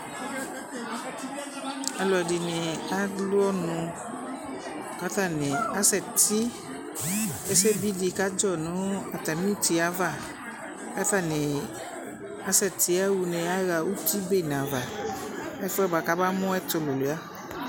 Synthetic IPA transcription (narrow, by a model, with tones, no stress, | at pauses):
a˧lɔ˨ɛ˨dɪ˨nɪ̃˨a˦lʊ˦ɔ˦nʊ̃˧ | ka˦t̪a˦˨nɪ̃˨a˦sɛ˨ti˦ | ɛ˦sɛ˦bi˦di˧ka˦d͡ʒɔ˦˨nʊ̃˨˦a˨t̪a˨mĩ˦u˦ti˧a˨˦va˦˨ | ka˦t̪a˦˨nɪ̃˨ | a˦sɛ˨t̪i˨˦a˦wu˨nẽ˨a˦ɣa˨u˦ti˦be˦˨nã˨va˨ | ɛ˦fɛ˦ba˨ka˦ba˦mʊ̃˦ɛ˦t̪ʊ˨lo˨lu˨˦a˦